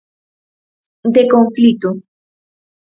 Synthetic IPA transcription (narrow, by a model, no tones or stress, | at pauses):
d̪ekomflit̪o